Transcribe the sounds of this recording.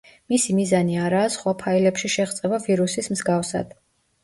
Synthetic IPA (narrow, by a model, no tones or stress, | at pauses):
misimizaniaɾaːsχwapʰailɛpʃiʃɛʁt̪sʼɛbaviɾusismzɡafsa̰d̪̥